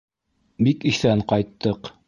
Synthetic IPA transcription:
bikiθæɴqɑjt̪ːɤq

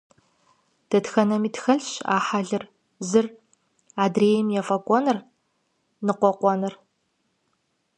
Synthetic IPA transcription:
d̥ɐtxɐnɐmiːtxɐɮɕa̰ːħaɮɨr | zɨr | aːdreːjmjafɐkʷʼɔnɨr | nɨqʷɔqʷɔnɐr

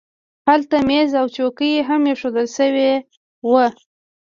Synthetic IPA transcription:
halt̪amezawt͡ʃokəjeɦamjeʃod̪əlʃəwe | wə

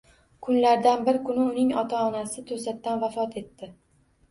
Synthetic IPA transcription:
kʰʊnlaɾd̪anbɪɾkʰʊnɪʊnɪŋɒt̪ʰaɒnasɪt̪ʰosat̪ːanvafɒt̪ʰe̞t̪ːɪ

